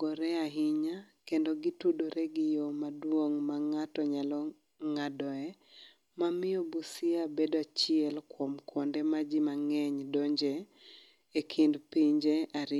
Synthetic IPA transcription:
ɡɔɾɛaɦɪɲakendoɡitudoɾeɡɪjomadwoŋmaŋatɔɲalɔ | ŋadɔɛ | mamɪɔbusiabedat͡ʃɪɛlkwomkʰwɔndemad͡ʒimaŋɛɲdoɲd͡ʒe | ekʰindpiɲd͡ʒeaɾɪ

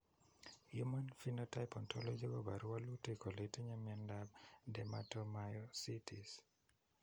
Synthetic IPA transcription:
jumanfinotaɪpɔntʰɔlɔd͡ʒibabaɾuwalutekoletiɲamiandab̚dɛmatɔmajɔsitis

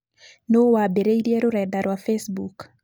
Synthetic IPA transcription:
nowabɛɾejdiɛɾuɾɛdaɾwafesbuk

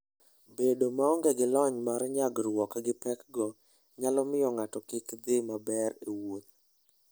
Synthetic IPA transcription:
bedomaɔŋɡɛɡɪlɔɲmaɾɲaɡɾwɔkɡɪpɛkɡɔ | ɲalɔmɪjɔŋatɔkɪkd̪ɪmabɛɾewot̪̚

